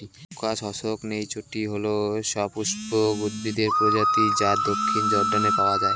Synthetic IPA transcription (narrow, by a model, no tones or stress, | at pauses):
kat͡ʃɔsoknejt͡ʃʰoʈiɦoloʃɔpuʃboɡud̪bid̪eɾpɾod͡ʒat̪id͡ʑat̪̚d̪okʰːind͡ʒɔɾɖanepaoad͡ʒae